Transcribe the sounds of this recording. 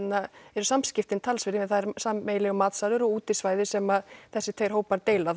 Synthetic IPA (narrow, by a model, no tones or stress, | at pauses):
naɛɾʏsamscɪft̪ɪnt̪ʰalsvɪɾɪɪθaðɛɾsaːejlɪɣʏmaːt̪salʏɾɔɣuːt̪ɪ̥svaːjðɪsɛmaðθɛsːɪt̪ʰvejɾ̥ɦoːwpaɾt̪eːjla